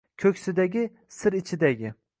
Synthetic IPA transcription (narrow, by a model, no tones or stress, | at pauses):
kʲʰɵkʲsɪd̪aɡʲɪ | sɪɾɪt͡ʃʰɪd̪aɡʲɪ